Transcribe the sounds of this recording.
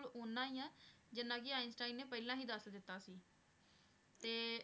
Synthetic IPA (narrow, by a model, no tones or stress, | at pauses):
loːnːãːiːãː | d͡ʒɪnːãːkɪaːɪnsʈaːinːeːpəːlãːɦiːd̪əsd̪ɪt̪ːaːsiː | t̪eː